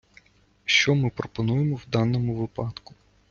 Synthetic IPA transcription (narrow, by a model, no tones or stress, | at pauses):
ʃt͡ʃɔmɪpɾɔpɔnujemɔwd̪ɑnːɔmʊʋɪpɑt̪kʊ̥